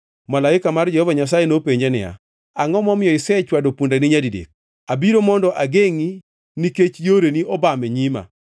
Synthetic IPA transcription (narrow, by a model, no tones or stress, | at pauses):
malaɪkamard͡ʒɛhɔvaɲas̬ajenopeɲd͡ʒenɪ̰ja̰ | aŋɔmɔmɪjɔɪsɛt͡ʃwadopundanɪɲadidḛk̚ | abiɾomɔndɔʔaɡeŋi | niket͡ʃjoɾeniɔbamɛɲima̰